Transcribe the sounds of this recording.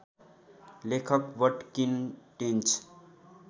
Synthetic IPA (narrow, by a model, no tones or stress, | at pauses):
lekʰəkʋəʈkinʈent͡ʃ